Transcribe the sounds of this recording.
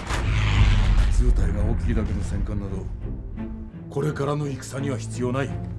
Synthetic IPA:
t͡sɨːt̪aiɡao̞ːkʲikʲid̪ake̞no̞sẽ̞ŋkãnːad̪o̞ | ko̞ɾe̞kaɾano̞ikɯ̥saɲ̟iβaçi̥t͡sɨjo̞ːnai

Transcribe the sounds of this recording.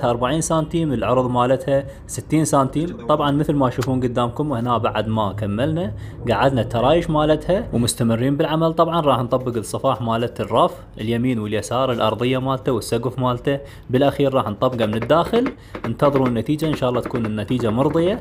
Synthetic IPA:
haʔɑɾˤbaʕiːnsaːnt̪iːməlʕʊɾˤðˤmaːlat̪ha | sɪt̪ːiːnsaːnt̪iːmt̪ˤɑbʕɑnmɪθlmaʃuːfuːnɡʊd̪ːaːmkʊmwhnaːbaʕad̪makamːɪlnaɡaʕɪd̪nat̪ɑɾˤɑːjɪʃmaːlat̪hawmʊst̪amɪrːiːmbɪlʕamalt̪ˤɑbʕɑnɾˤɑːħnt̪ˤɑbːɪɡɨsˤːɨfɑːħmaːlat̪rˤːɑf | ʔɪljamiːnwɪljasɑːɾˤɪlʔɑ̰ɾˤðˤɨjːamaːlt̪awɪsːaɡʊfmaːlt̪a | bɪlʔaxiːɾːˤɑːħnt̪ˤɑbɡamɪnɪd̪ːaːxɪl | ʔɪnt̪ɑðˤɾunːat̪iːd͡ʒaʔɪnʃɑːʔlːɑːt̪ḁkuːnɪnːat̪iːd͡ʒamʊɾðˤɨja

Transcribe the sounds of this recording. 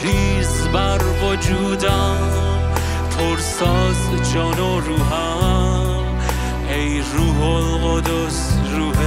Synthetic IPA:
ɾiːz | bæɾvod͡ʒuːd̪a | pʰoɾsɔːz | d͡ʒɔːno | ɾuːɦɔ | ej | ɾuːɦolqod̪osɾuːh

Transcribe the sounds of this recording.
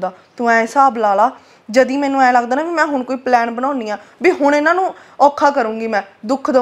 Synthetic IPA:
d̪aːt̪ʊ̃ɛ̃ːsaːblaːlaː | d͡ʒəd̪ĩːmɛ̃ːnũːɛ̃ːləɡd̪aːnaːʋiːmɛ̃ːɦʊɳkoːiːplɛːnbənaːniːaːbiːɦʊɳ̃ɪnãːnũː | ɔːkʰaːkəɾũːɡiːmɛ̃ːd̪ʊkʰd̪ə

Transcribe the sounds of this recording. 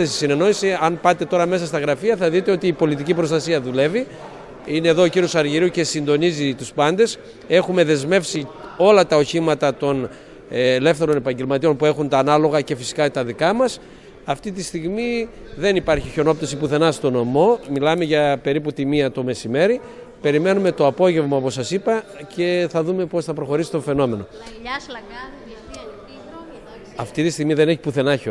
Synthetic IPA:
esi̥sine̞no̞isiɐnpɐt̪e̞t̪o̞ɾɐme̞sɐst̪ɐɣɾɐfiɐθɐðit̪e̞o̞t̪iːpo̞lit̪icipɾo̞st̪ɐsiɐðule̞vi | ine̞ːðo̞ociɾio̞sɐɾʝiɾiuce̞sind̪o̞nizit̪uspɐnd̪e̞s | e̞xume̞ðe̞zme̞fsio̞lɐt̪ɐo̞çimɐt̪ɐt̪o̞nː | le̞fθe̞ɾo̞ne̞pɐɲɟe̞lmɐt̪io̞npue̞xunt̪ɐːnɐlo̞ɣɐce̞fisi̥kɐt̪ɐðikɐmɐs | ɐft̪it̪ist̪iɣmi | ðe̞nipɐɾçiço̞no̞p̚t̪ɐsipuθe̞nɐst̪o̞no̞mo̞milɐme̞ʝɐpe̞ɾiput̪imiɐt̪o̞me̞sime̞ɾi | pe̞ɾime̞nume̞t̪oɐpo̞ʝe̞vmɐopo̞sɐsipɐce̞θɐðume̞po̞sθɐpɾo̞xo̞ɾisi̥t̪o̞fe̞no̞me̞no̞ | ɐft̪it̪ist̪iɣmiðene̞çi̥puθe̞nɐço

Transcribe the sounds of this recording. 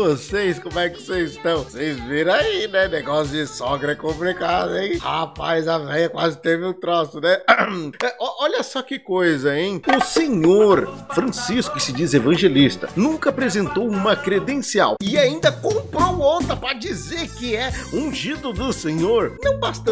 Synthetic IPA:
osejskõmʊɛkɪ̥sezɪst̪ɐ̃w̃sejzviɾɐ̃ainɛneɡɔsjʊzd͡ʒɪsɔɡɾɐɛkõplikad̪ejihapajzavɛjɐkwazɪt̪evɪʊ̃t̪ɾosʊnɛɛʔɔʔɔʎɐsɔkɪkojzɐẽj̃ʊsẽɲoɾfɾɐ̃siskʊkɪsɪd͡ʒizevɐ̃ʒelist̪ɐ̰nũŋkɐapɾezẽnt̪owũmɐkɾed̪ẽsia̰wɪaĩnd̪ɐkõmpɾowõt̪ɐpɾɐd͡ʒizeɾkɪɛũʒid̪ʊd̪ʊsẽɲoɾnɐ̃w̃bast̪ɐ̃

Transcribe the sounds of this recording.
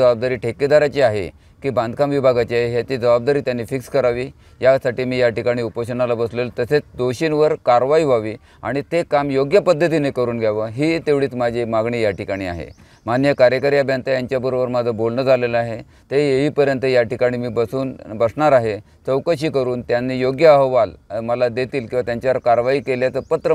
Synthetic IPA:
əbab̚d̪aɾiːʈʰeked̪aɾat͡ɕiaɦḛ | kiːband̪ʱkamʋibʱaɡat͡ɕiaɦeɦjat͡ɕid͡zəbab̚d̪aɾiːt̪janːifikskəɾaʋiː | jasaʈiːmiːjaʈikaɽ̃iːupəɕənalabəslelt̪əset͡sd̪oɕiːnʋəɾkaɾʋaiʋaʋiː | a̰ɽ̃it̪ekamjoɡjəpəd̪ʱːət̪̬inekəɾuːnɡʱjaʋəɦiːt̪eʋɽiːt͡smad͡ʑʱimaɡɳijaʈikaɽ̃iːa̰ɦḛ | manjəkaɾjəkəɾjabʱjənt̪ajaɲt͡ɕjabəɾobəɾmad͡zʱəbolnəd͡zʱaleləaɦe | t̪eeʋiːpəɾjənt̪əjaʈikaɽ̃iːmiːbəsuːnbəsɳaɾaɦe | t͡səwkəɕ̬iːkəɾuːnt̪janːiːjoɡjəəɦʋalməlad̪et̪iːlkĩwʋat̪jaɲt͡ɕjaʋəɾkaɾʋaiːkeljat͡səpət̪ɾə

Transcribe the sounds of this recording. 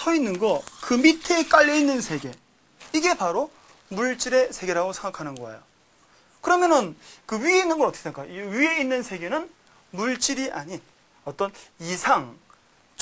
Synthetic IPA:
sʰʌinːɯnɡʌkɯmitʰe̞k͈aʎːʌinːɯnsʰe̞ɡe̞ | iɡe̞paɾo | muɭt͡ɕ͈iɾe̞sʰe̞ɡe̞ɾaɡosʰe̞ŋɡakʰanɯnɡʌa̰jo | kɯɾʌmjʌnɯnkɯɥieinːɯnɡʌʌt͈ʌkʰeekajoɥie̞inːɯnsʰe̞ɡe̞nɯn | muɭt͡ɕ͈iɾiʔaɲin | ʌt͈ʌnisʰaŋ

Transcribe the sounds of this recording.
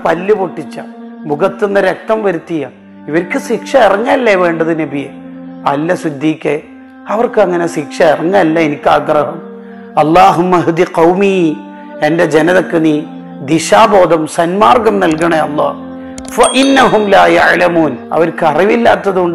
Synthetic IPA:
pɐlːuboʈːit͡ɕːɐmuɡɐt̪ːunːɨɾɐk̚t̪ɐmʋɐɾut̪ːijɐ | iʋɐɾkːɨsikʂɐirɐŋːɐɐlːeʋe̞ːɳɖɐðɨnebijɐ | ɐlːɐsud̪ːiːkːe | ɐʋɐrkɨɐŋːɐne̞sikʂɐirɐŋːalːɐenikʲːaːɡrɐɦɐm | ɐlˠːaːɦumːɐɦid̪iqɐwmiː | e̞nde̞d͡ʑenɐðɐkːɨniː | d̪iɕaːbo̞ːd̪ɐmsɐnmaːrɡɐmnɐlkɐɳɐɐlˠːa̰ː | fɐʔinːɐɦumlaːjaʕlɐmuːnɐ̰ʋɐɾkɨɐriʋilːa̰ːt̪ːɐðuuɳɖ

